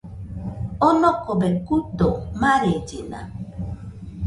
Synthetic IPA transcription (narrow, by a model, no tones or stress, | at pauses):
ɔnɔkɔbɛkudɔmaɾed͡ʒina̰